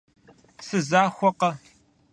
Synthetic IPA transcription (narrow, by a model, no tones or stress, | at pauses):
sɨzaːxʷɔqɐ